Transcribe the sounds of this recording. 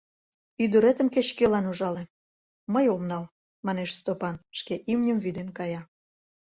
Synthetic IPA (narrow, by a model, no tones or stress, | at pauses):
yd̪uɾet̪ə̆mket͡ɕkelɑnuʒɑle | məjomnɑl | mɑneʃst̪opɑnʃkeʔimnʲəmvyd̪enkɑjɑ